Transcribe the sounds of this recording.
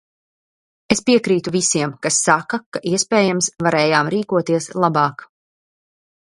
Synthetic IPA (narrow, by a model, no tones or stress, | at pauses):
espiɛkɾiːt̪uvisiɛmkasːakakaʔiɛspɛːjamsvaɾɛːjaːmɾiːkuɔt̪iɛslˠabɑːk